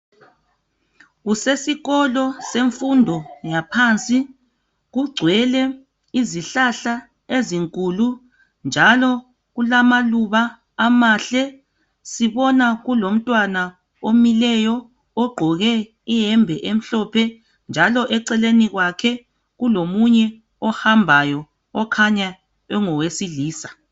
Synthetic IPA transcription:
ɣusesiɣɔlɔseɱfundʱɔjapʰant͡sʼi | ɣuɡ͡ǀʱwɛlɛ | iziɬaɬa | eziŋkʼulu | nd͡ʒʱalɔ | ɣulamaluβaː | maɬɛ | siβɔnaɣulom̩tʼwana | omilɛjɔ | ɔɡ͡ǃʱɔɣɛ | ijɛmbʱɛʔem̩ɬɔpʰɛ | nd͡ʒʱalɔʔɛǀɛleniɣwakʰɛ | ɣulomuɲɛ | ɔhambʱajɔ | ɔkʰaɲa | ɛŋɔwesiɮiːsḁ

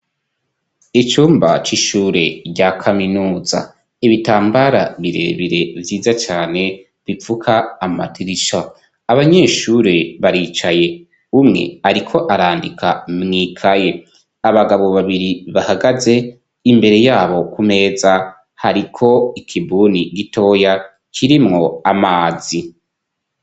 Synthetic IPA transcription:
it͡ʃuːmba̰t͡ʃiʃuːɾe̞ɾɟakʰaminuːza̰ | iβitaːmbaɾaβiɾe̞̰ːβiɾe̞vjiːzat͡ʃaːne̞ | βifukʰaːma̰tʰiɾiʃa | aβaɲe̞ʃuɾe̞βaɾiːt͡ʃaje̞ | umŋe̞̰aɾikʰo̞ʔaɾaːndikʰa̰mŋiːkʰaje̞ | aβaɡaβo̞βaβiɾiβahaɡaze̞ | imbe̞ɾe̞jaːβo̞kume̞ːza | haɾikʰo̞ikʰibuːniɡito̞ːja | kʰiɾimŋo̞amaːzi

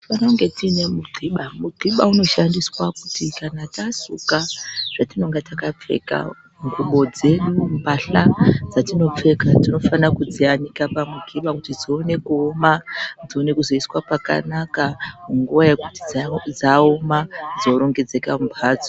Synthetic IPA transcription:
ifanauŋɡe̞tine̞muɡ͡ǃʱiɓamuɡ͡ǃʱiɓauno̞ʃandiswakutikanatasukaʐ̥atino̞ŋɡetakap͡fḛka̰ | ŋɡuɓo̞d͡ze̞ɗumbʱaɬad͡zatino̞p͡fe̞katino̞fanakud͡zianikapamuɡʱiɓakutid͡zione̞kuomad͡zio̞ne̞kuzo̞iswapaka̰nakamuŋɡuʋaje̞kutid͡zd͡zaomad͡zoɾo̞ŋɡe̞d͡ze̞kaumpʰaːd͡zo

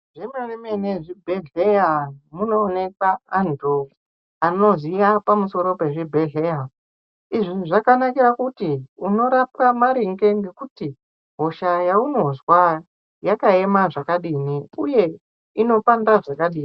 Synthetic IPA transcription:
ʐemeremeneʐibʱe̞ɮeamuno̞ːne̞kwaːntʰu | ano̞zijapamuso̞ɾo̞pe̞ʐibʱe̞ɮe̞ja | iʐiʐakanakiɾakutiuno̞ɾap̚kamaɾiŋɡeŋɡe̞kuti | ɦo̞ʃajauno̞zwa | jakae̞maʐakaɗiːniuje̞ | ino̞pandaʐakaɗiːni

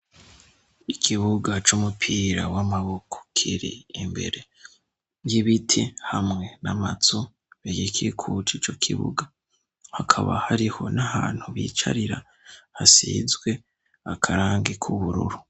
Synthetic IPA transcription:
ikʰiβuɡat͡ʃumupʰiːɾawamaβokʰo̥kʰiɾḭːmbe̞̰ɾe̞ | jiβitʰihamŋe̞namat͡su | βiɡikʰikʰut͡ʃiːt͡ʃo̞kʰḭβṵɡa | hakʰaβa̰haɾiho̞nahaːn̥huβiːt͡ʃa̰ɾiɾa̰ | hasizɡwe̞ | akʰaɾaːŋɡikʰuβuɾṵɾu

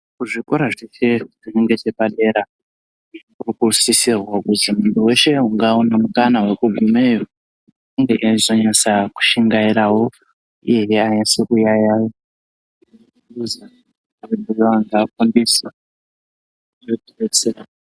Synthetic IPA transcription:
kuʐiko̞ɾaʐeʃe̞ʐineŋɡet͡ʃepaɗe̞ɾa | urikurusisirwakutimuntʰuwe̞ʃe̞uŋɡaunamukanawekuɡʱumejo | iŋɡeʔiaizo̞ɲasaku̥ʃiŋɡaiɾawo̞ | ḭjejeaisekujajao | uuza | aβenijoaŋɡakundisa | oteret͡seɾa

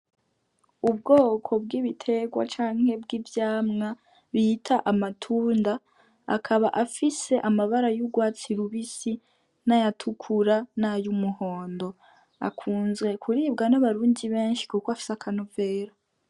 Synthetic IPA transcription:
ubɡo̞ːkʰo̞b̚ɡiːβitʰe̞ɡwa̰t͡ʃaːŋ̥he̞bɡivjaːmŋa | ɾiːtʰaʔamatʰuːnda | a̰kʰaβaʔafise̞ʔamaβaɾajuɡwaːt͡siɾuβisi | najatʰukʰuɾanajumuho̞ːndo̞ | a̰kʰuːnzɡe̞kʰuɾiːbɡanaβaɾuːndiβe̞ːnʃi̥kukoafi̥sakʰanuve̞ːɾa

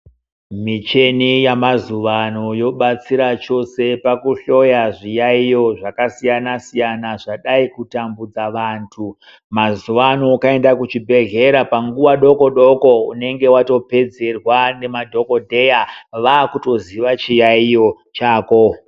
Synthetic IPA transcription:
mit͡ʃe̞nijamazuʋanojo̞ɓat͡siɾat͡ʃo̞se̞pakuɬo̞jaʐijaijo̞ʐakasijanasijanaʐaɗaikutambud͡zaʋaːntʰu | mazuʋanoukae̞ndakut͡ʃibʱe̞ɣe̞ɾapaŋɡuwaɗo̞ko̞ɗoko̞une̞ŋɡe̞wato̞pe̞d͡ze̞rwane̞madʱo̞ko̞dʱe̞jaʋaːkuto̞ziʋat͡ʃijaijo̞ | t͡ʃaːko̞

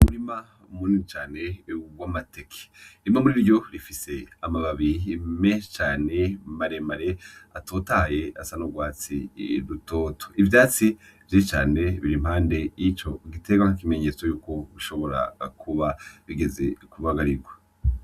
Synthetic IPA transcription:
muɾima | muninit͡ʃaːne̞wamate̞kʰe̥imamuɾiɾɟo̞ɾifise̞amaβaβimet͡ʃaːne̞maɾe̞maɾeatʰoːtaːje̞asanoɡwaːt͡sḭɾutoːtʰo̥ivjaːt͡si | vjiit͡ʃa̰ːne̞βiɾim̥haːnde̞jit͡ʃo̞ɡite̞ɡwanakime̞ɲe̞t͡sojuːko̞βiʃo̞βo̞ɾa̰kʰuβaβiɡe̞ze̞kuβaɡaɾiɾɡwa

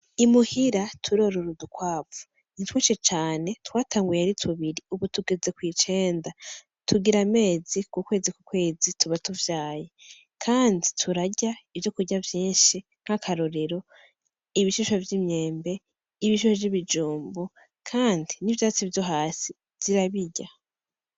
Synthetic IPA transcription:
imuhiɾatʰuɾo̞ɾoɾudukwaːvu̥ | nitweʃet͡ʃaːne̞twaːtʰaːŋɡujeaɾitʰuβiɾiuβutuɡe̞ze̞kwiːt͡ʃe̞ːnda | tʰuɡiɾame̞ːzikukwe̞ːzikukwe̞ːzitʰuβatuvjaːje̞ | kʰaːnditʰuɾaɟaivjo̞kuɟavjiːnʃi | n̥hakʰaɾo̞ɾe̞ɾo̞ | iβiʃuʃovjimɲe̞ːmbe̞ | iβiʃuʃoviβid͡ʒuːmbu | kʰaːndinivjaːt͡sivjo̞ɦaːsi | z̥iɾaβiɟa

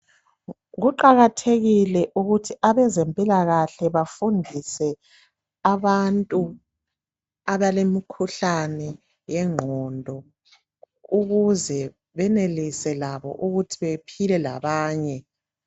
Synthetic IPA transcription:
ɣuǃaɣatʰeɣilɛʔuɣutʰiaβɛzempʼilaɣaɬɛβafundʱisɛ | aβantʼu | aβalemikʰuɬanɛ | jɛŋ͡ǃʱɔndʱɔ | uɣuzɛ | βɛnelisɛlaβɔ̰ʔuɣutʰiβepʰilɛla̰βaːɲɛ

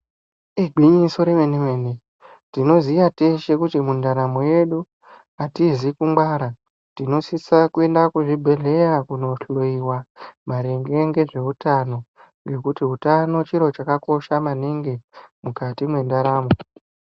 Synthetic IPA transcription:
iɡʱwiɲiso̞ɾemeneme̞ne | tino̞zijateʃe̞kutimundaɾamo̞je̞ɗu | atizikumbwaɾa | tino̞sisakue̞ndakuʐibʱe̞ɮe̞jakuno̞ɬoiwamaɾe̞ŋɡe̞ŋɡe̞ʐe̞utano̞ | ŋɡe̞kutiɦutano̞t͡ʃiɾo̞t͡ʃakako̞ʃamaneŋɡe̞mukatimwe̞ndaɾaːmo̞

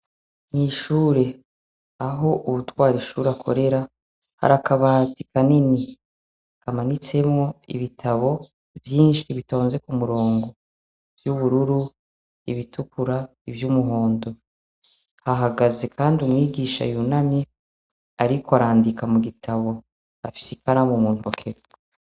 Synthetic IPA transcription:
niʃuːɾe̞ | aɦo̞ʔuβutwaːɾiʃuːɾakʰo̰ɾe̞ɾa | ha̰ɾakaβatikanini | kamanit͡se̞mŋo̞ḭβitʰaβo̞ | vjiːnʃiβito̞ːnze̞kumuɾo̞ːŋɡo̞ | v̥juβuɾuɾu | ḭβitukuɾa | ivjumuɦo̞ːndo̞ | haɦaɡaze̞kʰaːndiumŋwiːɡiʃa̰junami | aɾikoaɾaːndikamuɡitʰaβo̞ | a̰fi̥sikaɾamumuːnokʰeɾ

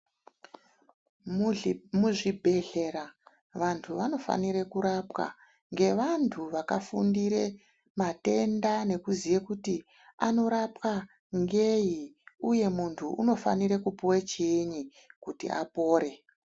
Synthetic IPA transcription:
muʐibʱe̞ɮe̞ra | ʋantʰuʋano̞fa̰niɾe̞kuɾapwa̰ | ŋɡe̞ʋantʰuʋakafundiɾe̞ | mate̞ndane̞kuzijekuti | ano̞ɾapa | ŋɡeɦiuje̞muntʰuʔṵno̞fa̰niɾekupuwet͡ʃeɲi | kutḭa̰po̞ːɾe̞

